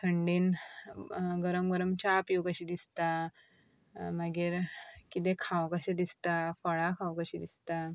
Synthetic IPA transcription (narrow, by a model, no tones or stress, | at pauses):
t̪ʰəɳɖiːn | ɡəɾəmɡəɾəmt͡ɕapjukəɕid̪ist̪a | maɡiɾkit̪̬ẽkʰãwkəɕed̪ist̪afəɭakʰãwkəɕid̪ist̪a